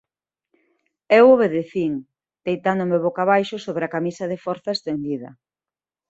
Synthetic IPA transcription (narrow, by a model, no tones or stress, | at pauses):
ewoβeðeθiŋ | d̪̥ejt̪and̪ʊmeoβokaβajʃʊsoβɾeakamisɐðefɔɾθɐest̪end̪iðɐ̰